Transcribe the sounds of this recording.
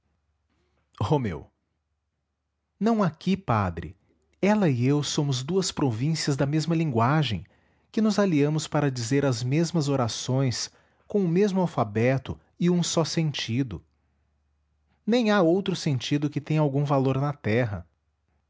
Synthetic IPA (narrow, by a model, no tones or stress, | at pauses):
homḛw | nɐ̃w̃akipad̪ɾɪ̰ | ɛlɐiewsõmʊzd̪uɐspɾovĩsiɐzd̪ɐmezmɐlĩɡwaʒḛ̃j̃ | kɪnʊzaliɐ̃mʊspaɾɐd͡ʒizeɾɐzmezmɐzoɾasõj̃s | kõʊmezmʊawfabɛt̪ʊ̰ | ɪũsɔsẽnt͡ʃid̪ʊ | nẽj̃aowt̪ɾʊsẽnt͡ʃid̪ʊkɪt̪ẽj̃awɡũvaloɾnɐt̪ɛɦɐ̰